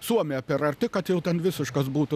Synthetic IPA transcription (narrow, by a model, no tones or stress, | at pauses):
suɔmʲɪjɛpʲɛɾɐɾʲt̪ʲɪkɐt̪jɛʊt̪ʲɛnʋʲɪsʲɪʃkɐs̬buːt̪ʊ